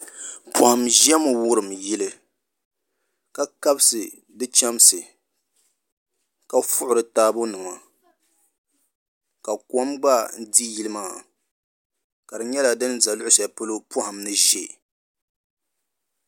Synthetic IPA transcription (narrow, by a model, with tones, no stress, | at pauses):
pʰʊ˨ha˨mʒɛ˦mʊ˨wʊ˦ɾɨ˨mji˦lɨ˦ | ka˨ka˦bsɨ˨ | dɨ˦t͡ʃɛ˦msɨ˨ | ka˦fʊ˦ʔʊ˨ɾɨ˨taː˦bʊ˦nɨ˨ma˨ | ka˨kɔ˦mɡ͡ba˦n̩˦di˦ji˦lɨ˦maː˦˨ | ka˨dɨ˨ɲɛ˦la˨dɨ˦nza˨lʊ˦ʔʊ˦sa˨pʊ˦lʊ˦pʊ˦ha˨mnɨ˦ʒe˦